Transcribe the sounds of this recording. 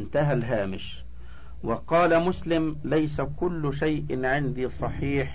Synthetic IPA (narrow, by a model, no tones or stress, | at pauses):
nt̪aɦalɦaːmɪʃ | wɑqɑːlamʊslɪmlajsakʊlːʊʃajʔɪʕɪnd̪iːsˤɑħiːħ